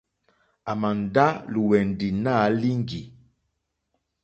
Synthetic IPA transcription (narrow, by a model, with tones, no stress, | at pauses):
a˨ma˨n̩˨da˦lu˨wɛ˨n˨di˨na˦li˦ŋ˦ɡi˨